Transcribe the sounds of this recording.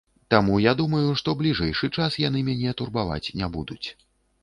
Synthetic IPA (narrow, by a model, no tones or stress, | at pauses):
t̪amujad̪umɐjuʂt̪ɔblʲiʐɛjʂɨt͡ʂasjan̪ɨmʲanʲɛt̪urbava̰t͡sʲnʲɛbud̪ut͡sʲ